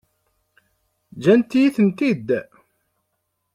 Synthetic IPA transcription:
d͡ʒænt̪ːijiθənt̪id̪

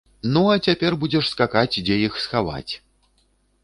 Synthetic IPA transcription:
nuɐt͡sʲapʲɛrbud͡zʲɛʂskakat͡sʲd͡zʲɛjixsxava̰t͡sʲ

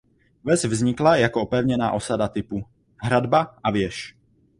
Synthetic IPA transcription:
vɛzvzɲɪklajakoʔopɛvɲɛna̰ːʔo̞sadat̪ɪpu | ɦɾadbaʔavjɛʃ

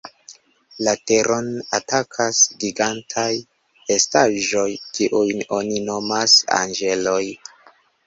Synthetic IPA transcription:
lateɾʔo̞natakʰasɡiɡantʰaj | e̞staʒo̞jkiʔujno̞nino̞masa̰nɡe̞lo̞j

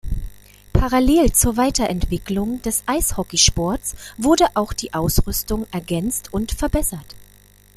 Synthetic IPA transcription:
pʰaʁaleːlt͡suːɐvaɪtɐʔɛntv̥ɪklʊŋd̥ɛsʔaɪshɔkiʃpɔɐtsv̥ʊɐdəʔaʊxd̥iːʔaʊsʁʏstʊŋɛɐɡɛnt͡stʰʊntfɛɐbɛsɐt

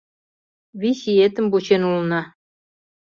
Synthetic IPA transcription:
βisijet̪ɘ̆mbut͡ɕenulnɑ

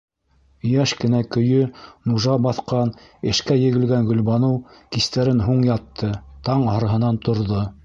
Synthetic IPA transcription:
ɵ̆jæʃkɘ̆nækɵ̆jɵnuʒɑbɑθqɑnɘ̆ʃkæjɘ̆ɡɘ̆lɡæŋɡɵ̆lβɑnɤwkist̪æɾɘnɦuɴjɑt̪ːɤt̪ɑɴɑ̆ɾɑɦɤ̆nɑnt̪ŏɾðo

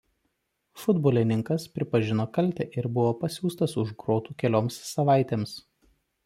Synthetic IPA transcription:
fʊd̪boːlʲɪnʲɪŋkɐspʲɾʲɪpɐʒʲɪnoːkɐlʲˑt̪ʲɛːʔɪɾbʊʋoːpɐsʲuːst̪ɐsʊʒɡɾoːt̪uːkʲɛlʲoːmsːɐʋɑˑɪt̪ʲeːms

